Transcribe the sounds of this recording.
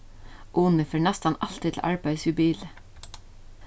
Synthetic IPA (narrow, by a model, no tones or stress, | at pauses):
ʔuːnəføːɳæst̪ɑnʔɑlt̪ɪt̪ʰl̩ʔɑ̰ɹbæɪsjʉbiːlə